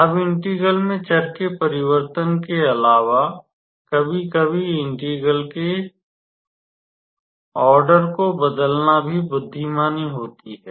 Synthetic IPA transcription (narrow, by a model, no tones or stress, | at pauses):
ɐbɪ̃ɳʈiːɡəlmẽt͡ʃɐɾkepɐɾɪwəɾt̪ənkeɐlaːʋa | kɐbʱikɐbʱiɪ̃ɳʈiːɡəlke | ɔːɾɖəɾkobɐd̪əlnabʱibʊd̪ʱːimaːniɦoːt̪iɦɛː